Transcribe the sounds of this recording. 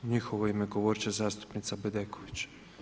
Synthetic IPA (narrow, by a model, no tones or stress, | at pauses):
nʲixɔʋɔjmeɡɔʋɔɾt͡ʃɛzɑst̪ʊ̥pnʲɪt̪sɐbɪd̪ɛkɔʋʲit͡ʃ